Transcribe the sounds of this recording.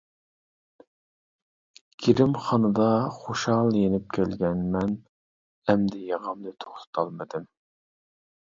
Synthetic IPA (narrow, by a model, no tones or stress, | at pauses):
ɡ̥ʲiɾɪmχɑnɨd̪ɑχoʃɑlˠjenɪp̚kʲʰælɡʲɛnmɛn | ɛmd̪ɪjɑʁəmd̪ɨt̪ʰo̥χt̪ʰɨ̥t̪ʰɑlˠmɨd̪ɨm